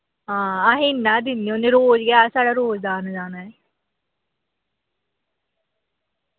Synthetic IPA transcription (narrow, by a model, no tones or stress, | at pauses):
ɦãːaɦɪnːaːd̪ɪnːionẽːɾoːd͡ʒɡɪjaːsaːɽaːɾoːzd̪aːnd͡ʒaːnaːɛː